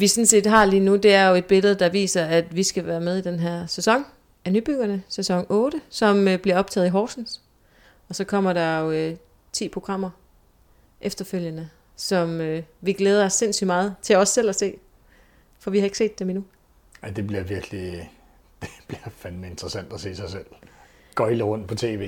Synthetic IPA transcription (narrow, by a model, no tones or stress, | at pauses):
ʋisɒ̽nse̝̰ːd̥ɦɑ̈liːnud̥e̝æɐjo̝e̝d̥̚b̥e̝ləð̞̩ˠd̥ɑ̈ʋḭːsɐæd̥ʋisɡ̥æʋæːɐmeð̞ˠid̥enɦæɐ̰sesɒ̽ŋ̰ | ænyb̥yɡ̥ɐnəsesɒ̽ŋɔ̽ːɾ̥əsɒ̽møb̥liɐɒ̽b̥̚t͡sʰɛ̰ːðˠiɦɒːsn̩s | ɒ̽sɒ̽kʰɒ̽m̰ɐɾɑ̈oø | t͡sʰḭːpʰʁo̝ɡ̥ʁɑ̈m̰ɐ | ʔefd̥ɐføl̰jənə | sɒ̽møʋiɡ̥leːð̞ˠɐɒ̽sːe̝n̰sy̰d̥mɑ̈ːð̞̩ˠt͡sʰe̝lɒ̽sːel̰ɒse̝̰ː | fɒ̽ʋihɑ̈e̝ɡ̥se̝̰ːd̥eminu | aɪd̥e̝b̥liɐʋiɐɡ̥li | d̥eb̥liɐfænme̝nd̥ʁɐsæn̰d̥æse̝̰ːsɑ̈ɪsel̰ | ɡ̥ɒ̽ɪləʁɔ̽n̰d̥̚pʰɒ̽t͡sʰe̝̰ːʋe̝ː